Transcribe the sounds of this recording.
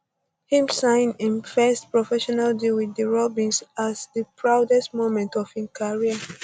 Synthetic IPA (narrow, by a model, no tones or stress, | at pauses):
hĩmsãɪ̃nĩnfɛstpɹɔfɛʃɔnaldilwiðəɹɔbĩnsazðəpʰɹaʊdɛstmõmɛ̃ntɔv̥hĩnkʰaɹiə